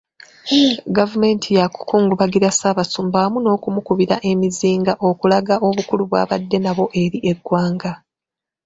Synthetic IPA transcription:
ɡavume̞ːntʰijaku̥kuːŋɡuβaɡiɾasaβasumbaːmuno̞ːkumukuβiɾaʔe̞miziːŋɡaʔo̞kulaɡaʔo̞βukuluβwa̰ːβadːe̞naβo̞ʔe̞ɾiʔe̞ɡːwaːŋɡa

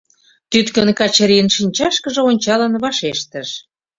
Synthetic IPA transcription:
t̪yt̪kə̆nkɑt͡ɕəɾiənʃinʲt͡ɕɑʃkə̆ʒɤ̆onʲt͡ɕɑlənβɑʃeʃt̪əʃ

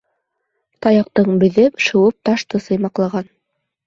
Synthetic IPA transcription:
t̪ɑjɑqt̪ɤɴbɵ̆ðɘpʃɤ̆wɤp̚t̪ɑʃt̪ɤsɤ̆jmɑqlˠɑʁɑn

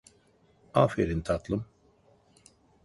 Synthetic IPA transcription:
afeɾint̪ʰat̪lˠɯm

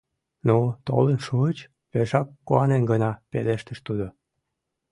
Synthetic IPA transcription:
not̪o̰lənʃuət͡ɕ | peʃɑkːuɑnenɡənɑpeleʃt̪əʃt̪ud̪o

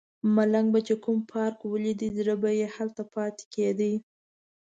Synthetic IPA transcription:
malaŋɡbat͡ʃekumpʰɑɾkwəlid̪izɾəbajehalt̪apɑt̪e̥ked̪i

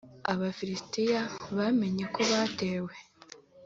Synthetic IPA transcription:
aβafiɾistijaβame̞ɲe̞ko̞βaːte̞ːwe̞

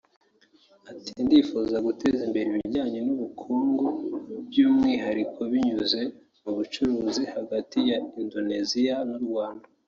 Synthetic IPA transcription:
atindifuzaɡute̞zimbe̞ɾiβiɟaːɲenuβukʰuːŋɡobɟuːmŋiːɦaɾikʰo̞βiɲuze̞ | muβut͡ʃuɾuːzihaɡatijaindo̞nezianuɾɡwaːnda

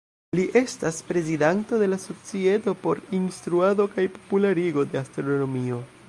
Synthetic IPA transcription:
liʔe̞staspɾe̞zidanto̞de̞laso̞t͡sie̞to̞po̞ɾinstɾuado̞kajpo̥pulaɾiɡo̞de̞astɾo̞no̞mio̞

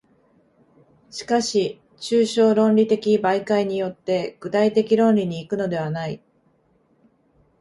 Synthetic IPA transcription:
ɕi̥kaɕi | t͡ɕɨːɕo̞ːɾõ̞nɾʲit̪e̞kʲibaikaiɲ̟ijo̞t̪ːe̞ɡ̥ɯ̟t̪ait̪e̞kʲiɾõ̞nɾʲiɲ̟iːkɯ̟no̞d̪e̞β̞anai

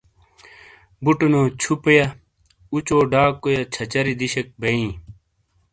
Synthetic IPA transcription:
buʈunoːt͡ɕʰupjɐ | ut͡ɕoːɖaːkːojɐt͡ɕʰɐt͡ɕɐɾid̪iɕɐk̚bɐĩː

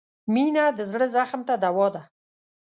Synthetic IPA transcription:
minad̪əzɽəzaxmt̪ad̪awɑd̪a

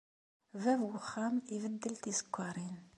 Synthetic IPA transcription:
vævwəχːæmivəd̪ːəlt̪isə̥kʷːɑɾˤin

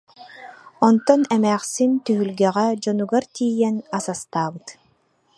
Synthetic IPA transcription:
ɔnt̪ɔnɛmæːχsint̪yɦylɡɛʁɛd͡ʒɔnuɡaɾt̪iːjɛnasast̪aːbɯt̪

